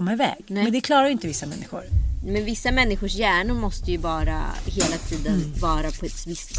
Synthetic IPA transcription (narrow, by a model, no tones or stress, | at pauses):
ɔmːaɪvɛ̰ːɡ̪ɛɛnd̪ɛkʰlɑːɾaɾjʏɪnt̪əvɪsːamɛnːɪɧʊ̰ɾmɛnvɪsːamɛnːɪɧʊʂjæːɳʊɾmɔst̪əjɵvɑːɾa̰heːlat̪ʰiːd̪ənvɑːɾapʰɔɛt̪vɪst̪